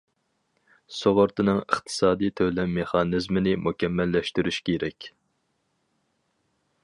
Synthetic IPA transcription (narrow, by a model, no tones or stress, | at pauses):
soʁʊɾt̪ʰɨnɨŋə̰χt̪ʰɨ̥sɑːd̪ijt̪ʰølɛmːeχɑːnɨzmɪnɪmukʲʰɛmːɛlːɛʃt̪yɾyʃkʲʰeɾɛkʲ